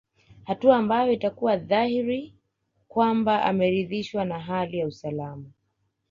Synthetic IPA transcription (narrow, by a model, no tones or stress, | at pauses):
hatuaːmbajɔitakuwaðahiɾi | kwambaʔa̰mɛɾiðiʃwanaɦalijausalama